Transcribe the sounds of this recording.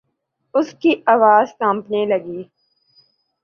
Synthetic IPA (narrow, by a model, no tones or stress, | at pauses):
ʊskiaːʋaːzt̪ãːmpnelɐɡiː